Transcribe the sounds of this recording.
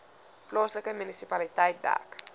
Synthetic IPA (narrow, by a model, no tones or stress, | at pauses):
plɔsləkəmynisipalitɛjt̚da̰ːk